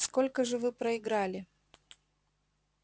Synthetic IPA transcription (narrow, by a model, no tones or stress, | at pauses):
skolʲkəʐɨvɨpɾəɪɡɾalʲɪ